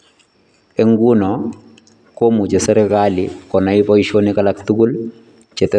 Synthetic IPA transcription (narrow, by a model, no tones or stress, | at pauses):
eŋɡunɔ | komud͡ʒɛsɛɾɛkalɪkɔnaipoiʃonikalaktuɡul | t͡ʃɛt̪ɛ